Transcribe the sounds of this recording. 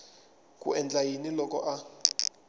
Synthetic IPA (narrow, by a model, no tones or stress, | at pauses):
kʼṵɛnd͡ɮajinilɔkɔ̰ʔa